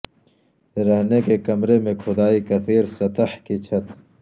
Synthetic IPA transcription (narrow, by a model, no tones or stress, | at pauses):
ɾɐɦnekekɐmɾemẽkʰʊd̪aːikɐt̪ʰiːɾsɐt̪ɐħkit͡ɕʰɐt̪